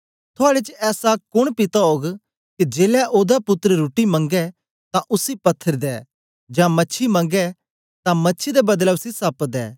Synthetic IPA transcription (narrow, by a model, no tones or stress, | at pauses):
t̪ʰʊaːɽet͡ʃɛːsakʊɽ̃pɪt̪aɦoːɡ | kid͡ʒeːlɛʔoːd̪apʊt̪ːəɾɾuːʈimɐ̃ŋɡɛ | t̪ãʔʊsipɐt̪ʰːəɾd̪ɛː | d͡ʒãːmɐtːʃʰimɐ̃ŋɡɛ | t̪ãmɐtːʃʰid̪ebɐd̪lɛʊsisɐpd̪ɛ̰ː